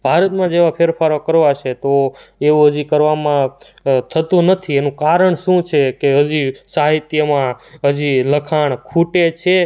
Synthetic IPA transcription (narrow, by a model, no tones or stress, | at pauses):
bʱaɾət̪mãd͡ʒeʋapʰeɾfaɾokəɾʋat͡ʃʰet̪oeũɦəd͡ʒikəɾʋamã | t̪ʰət̪ũnət̪ʰienũkaɾəɳ̃ʃũt͡ʃʰekeɦəd͡ʒisaɦit̪jəmãɦəd͡ʒiləkʰaɳ̃kʰuʈet͡ʃʰe